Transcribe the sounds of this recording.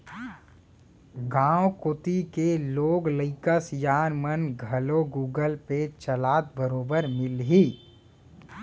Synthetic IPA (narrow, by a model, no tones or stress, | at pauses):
ɡãːwokʊt̪ikeloːɡləɪkəsjaːnmənɡʱɐloɡuːɡəlpet͡ʃəlaːt̪̚bəɾoːbəɾmɪlɦiː